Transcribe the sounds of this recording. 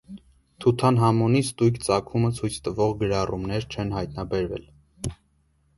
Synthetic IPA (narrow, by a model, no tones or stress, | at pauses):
t̪ʰut̪ʰɑnɦɑmɔnist̪ujkt͡sɑkʰumət͡sʰujt͡sʰt̪əvɔʁɡəɾɑrʔumnɛɾt͡ʃʰɛnɦɑjt̪nɑbɛɾvɛ̰l